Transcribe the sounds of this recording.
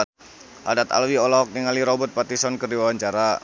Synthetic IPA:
ha̰dat̪a̰lwiolaɦɔk̚niŋaliɾɔbɔt̪̚pat̪isɔnkərdiwawaɲt͡ʃaɾa

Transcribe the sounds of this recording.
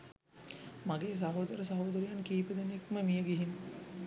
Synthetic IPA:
maɡeːs̬aɦoːd̪əɾəsaɦoːd̪əɾejankiːpəd̪enekməmijəɡiɦin

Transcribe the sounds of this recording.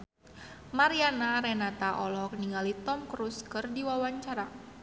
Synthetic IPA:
maɾianaɾɛnat̪aʔɔlɔkniŋɡalit̪ɔmkɾuskɨrdiwawaɲt͡ʃaɾa

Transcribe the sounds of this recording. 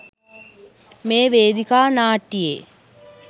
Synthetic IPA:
meːʋeːd̪ikaːnaːʈːijḛ

